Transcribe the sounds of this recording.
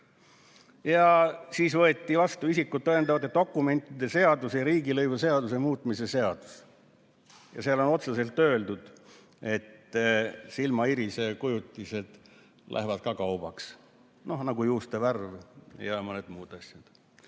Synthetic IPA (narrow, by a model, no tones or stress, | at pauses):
jɑsiːsvɤet̪ʲːˑivɑst̪uisikːut̪̚ːɤend̪ɑvɑd̪et̪ːo̞kːˑume̞nʲt̪ˑid̪̥e̞se̞ɑd̪usejɑɾiːɡilɤjvuse̞ɑd̪̥use̞muːt̪ːˑmise̞se̞ɑd̪̥u̥s | jɑ̰seɑlo̞no̞t̪sese̞lt̪ːˑø̞ːld̪ud̪̥ | e̞t̪ː | silmɑiɾise̞kujut̪ːˑise̞d̪̥ | lʔæ̰ɦvɑd̪̚kɑkɑwb̥ɑks | no̞hnɑɡujuːst̪eværvjɑmoned̪muːd̪ɑsjɑd̪̥